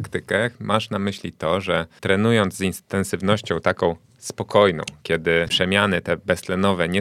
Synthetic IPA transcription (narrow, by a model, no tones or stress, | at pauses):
kt̪ɘkɛmʔaʂnamɘɕlʲit̪ɔʐɛt̪ɾɛnujɔnd̪zzint̪ɛnsɘvnɔɕt͡ɕɔ̃w̃t̪akɔ̃w̃ | spɔkɔjnɔ̰̃w̃kʲjɛd̪ɘpʂɛmʲjanɘt̪ɛbɛst̪lɛnɔvɛɲɛ